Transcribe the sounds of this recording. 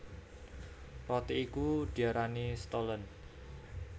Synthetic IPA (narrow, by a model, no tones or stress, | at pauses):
rɔt̪iːkud̪̥iaɾanist̪ɔlən